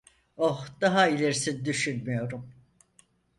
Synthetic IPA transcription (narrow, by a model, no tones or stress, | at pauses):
ohd̪̥aɦailʲeɾisind̪yʃynmyjo̞ɾum